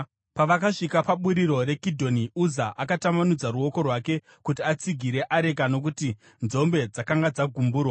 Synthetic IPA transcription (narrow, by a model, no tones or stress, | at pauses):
paʋakaʂikapaɓuɾiɾo̞ɾe̞kidʱo̞niuzaʔakatamanud͡zaɾuo̞ko̞rwake̞ | kutiat͡siɡʱiɾe̞ʔaɾe̞kano̞k̬uti | nzo̞mbe̞d͡zakaŋɡad͡zaɡʱumbuːrwa